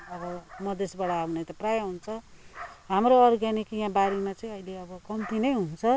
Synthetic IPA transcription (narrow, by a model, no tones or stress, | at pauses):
ʌbʌmʌd̪esbaɽaːwnet̪ʌprajʌɦunt͡sʰʌɦamɾoʌrɡanikjãbaɾimat͡sʌĩʌileʌbʌkʌmt̪inʌjɦunt͡sʰʌ